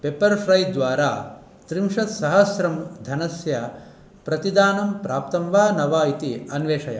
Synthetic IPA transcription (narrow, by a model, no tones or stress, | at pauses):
pepɐɾpʰɾɐjd̪ʋaːɾaː | t̪ɾimʂɐt̪sɐɦɐsɾɐmd̪ʱɐnɐsjɐ | pɾɐt̪id̪aːnɐmpɾaːpt̪ɐmʋaːnɐʋaːit̪iɐnʋeːʂɐjɐ̰